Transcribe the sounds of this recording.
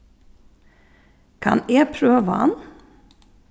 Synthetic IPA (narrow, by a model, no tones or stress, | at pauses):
kʰɑ̰neːpʰɾøːʋəɑ̰n